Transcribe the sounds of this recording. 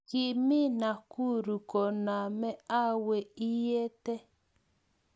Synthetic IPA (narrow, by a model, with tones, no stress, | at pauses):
kɪ˨mɪ˦na˨ku˦ɾu˨kɔ˨na˨mɛ˦a˦we˨i˦je˦tɛ˦